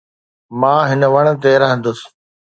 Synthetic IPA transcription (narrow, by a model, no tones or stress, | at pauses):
mãːɦɪnəʋɐɽ̃̆t̪̬eɾɐɦə̃n̆d̪ʊs